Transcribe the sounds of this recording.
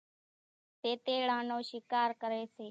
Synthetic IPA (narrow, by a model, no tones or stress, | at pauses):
t̪eːt̪eːɽãːnoːʃɪkaːɾkəɾeːseː